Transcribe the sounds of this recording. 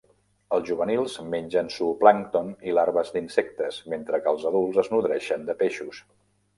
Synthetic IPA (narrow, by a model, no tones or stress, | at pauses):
əlˠzʒuβənilˠzmenʲd͡ʒənsuplaŋt̪onilaɾβəzd̪insɛk̚t̪əzment̪ɾəkəːlˠzəðulˠzəznuðɾɛʃənd̪əpeʃus